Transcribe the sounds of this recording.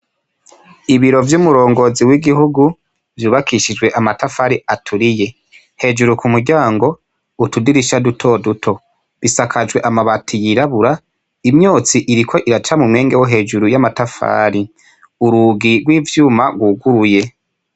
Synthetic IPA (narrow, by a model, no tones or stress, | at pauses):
iβiɾo̞vjumuɾo̞ːŋɡo̞ziwiɡihuɡu | vjuːβakʰiʃid͡ʒwe̞ʔamatafaːɾiatʰuɾije̞ | he̞d͡ʒuɾukumuɾɟaːŋɡo̞ | utudiɾiʃadutʰo̞dutʰo̞ | βisakʰad͡ʒwe̞ʔamaβatʰijiɾaβuɾa | imɲoːt͡siʔiɾikʰo̞ʔiɾat͡ʃamumŋe̞ːŋɡewoɦe̞ːd͡ʒuɾujamatafa̰ːɾi | uɾuɡiɾɡwiːvjuːmaɡwuɡuɾuje̞